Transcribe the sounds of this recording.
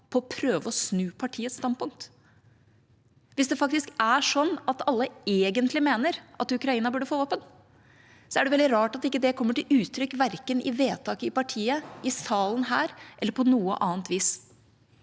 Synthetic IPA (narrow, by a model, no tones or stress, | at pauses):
pʰɔːpʰɾøːʋəɔsnʉːpʰɑʈʰiːət̪st̪ɑnd̪̚pʊŋk̚t̪ | ʋɪsd̪ɛfɑk̚t̪ɪskæʂɔnːɑt̪ɑlːəeːɡənt̪ʰlɪmeːnəɾʔɑt̪ʉkɾɑiːnɑbʉːɖəfoːʋoːpən | sɔæɖɛʋɛld̪ɪɾɑːʈɑt̪ɪkːəd̪ɛkʰɔmːəʈɪlʔʉːt̪ʰɾʏkːʋæɾkənɪʋeːt̪ʰɑːkəɪpɑʈʰiːəɪsɑːlənɦæːɾʔɛlːəɾpʰɔnuːə̰ʔɑːnt̪ʰʋiːs